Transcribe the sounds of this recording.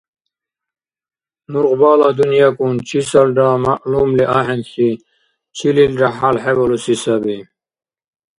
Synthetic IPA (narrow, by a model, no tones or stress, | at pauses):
nuɾʁbaːlad̪unjakunt͡ɕʰisɐlɖamaʔlumliʔaːɦenɬi | t͡ɕʰililɖaħalħebolusisabi